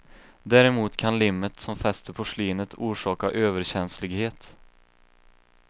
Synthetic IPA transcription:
d̪æːɾɛmuːt̪kʰanlɪmːət̪sɔmfɛst̪əpʰɔʂliːnət̪ʰuːʂɑːkaʔøːvəɾɕɛnslɪɡheːt̪

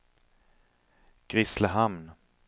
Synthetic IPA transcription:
ɡ̥ɾɪsləɦamn

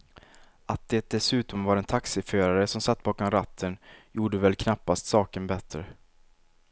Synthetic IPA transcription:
at̪̚d̪̥ɛt̪̚d̪ɛsʉ̟ːt̪ɔmvaɾɛnt̪ʰaksɪføːɾaɾəsɔmsat̪ːbɑːkɔmɾat̪ʰːənjuːɖəvɛlkʰnapːast̪sɑːkənbɛt̪ːɾə

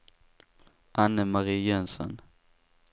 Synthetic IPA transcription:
ʔanːəmaɾiːjɛnsɔ̰n

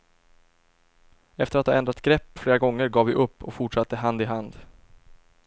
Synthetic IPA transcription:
ɛft̪əɾat̪hɑ̰ɛnd̪ɾat̪ɡɾɛpːfleːɾaɡɔŋːəɾɡɑːvɪʔɵpːɔkfʊʈʂat̪ːəɦand̪ɪɦand̪

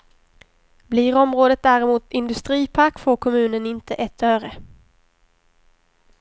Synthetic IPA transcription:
bliːɾɔmɾoːd̪ət̪̚d̪æːɾɪmuːt̪ɪnd̪ɵst̪ɾiːpʰakːfoːɾkʰɔmʉ̟ːnənɪnt̪ʰəʔɛt̪ʰːœːɾə

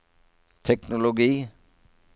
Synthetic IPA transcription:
t̪ʰɛknʊlʊɡiː

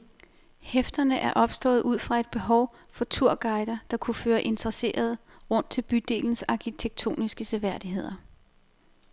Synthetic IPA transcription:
hefd̥ɐnəʔæɐʔɒ̽b̥sd̥ɔ̰̽ːð̩ˠʔuð̰ˠfʁɑ̈e̝d̥̚b̥e̝ɦɒʊ | fɒ̽t͡sʰuɐ̰ɡ̥ɑ̈ɪd̥ɐd̥ɑ̈kʰuføːɐʔe̝nd̥ɐʁɐse̝̰ːʔɐð̞̩ˠ | ʁɔ̽n̰d̥t͡sʰe̝lb̥yd̥e̝̰ːln̩sɑ̈kʰit͡sʰeɡ̥̚t͡sʰo̝̰ːnisɡ̥əsʰeʋæɐ̰d̥iɦe̝ð̞̰ˠɐ

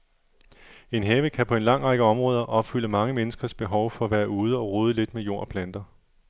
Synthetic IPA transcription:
e̝nɦeːʋəkʰæpʰɒ̽e̝nlɑ̈ŋ̰ʁɑ̈ɡ̥əɒ̽mʁɔ̽ːð̞ˠɐʔɒ̽b̥fyl̰ɐmɑ̈ŋəmenəsɡ̥ɐsb̥e̝ɦɒ̽ʊfɒ̽ʋæɐuːð̞ˠəɒ̽ʁoːð̞ˠəle̝d̥mejo̝ɐ̰pʰlæn̰d̥ɐ

